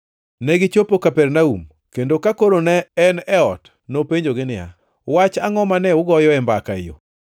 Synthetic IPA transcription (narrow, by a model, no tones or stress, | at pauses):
nɛɡɪt͡ʃopokapɛɾnaṵm | kendokakoɾonɛɛnɛɔt | nopeɲd͡ʒoɡɪnɪja̰ | wat͡ʃaŋɔmanɛʊɡɔjɔɛmbakaḛjo̰